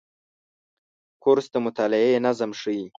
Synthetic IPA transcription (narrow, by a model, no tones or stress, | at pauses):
kʰoɾsd̪əmʊt̪aːlɪenazəmʂəi